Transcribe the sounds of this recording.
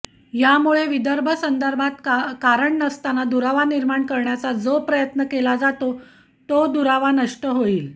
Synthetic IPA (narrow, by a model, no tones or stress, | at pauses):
jamuɭeʋid̪əɾbʱəsənd̪əɾbʱat̪kaɾəɳːəst̪anad̪uɾaʋaniɾmaɳkəɾɳjat͡sad͡zopɾəjət̪nəkelad͡zat̪o | t̪od̪uɾaʋanəʂʈəɦoiːl